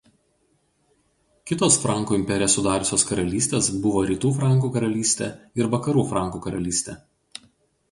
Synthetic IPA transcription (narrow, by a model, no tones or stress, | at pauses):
kʲɪt̪oːsfɾɑˑŋˑkuːɪmʲpʲɛɾʲɪjosʊd̪ɑːɾʊsʲoːskɐɾɐlʲiːsʲt̪ʲeːsbʊʋoːɾʲiːt̪uːfɾɑˑŋˑkuːkɐɾɐlʲiːsʲt̪ʲeːɪɾʋɐkɐɾuːfɾɑˑŋˑkuːkɐɾɐlʲiːsʲt̪ʲeː